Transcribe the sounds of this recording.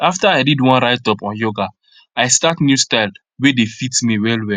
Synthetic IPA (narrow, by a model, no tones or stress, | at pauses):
aftaaɪdidwɔ̃nɾaɪtɔpɔ̃njoɡa | aɪstatnjustaɪl | wedefitmiwɛlwɛ